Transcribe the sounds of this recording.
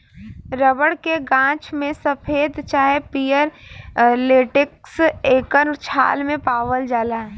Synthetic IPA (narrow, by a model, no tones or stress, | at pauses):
ɾəbəɽkeɡãːt͡ʃmẽsəpʰeːd̪t͡ʃaːɦepijəɾ | leːʈɪkseːkəɾt͡ʃʰa̰ːlmẽpaːʋəld͡ʒaːlaɦɛ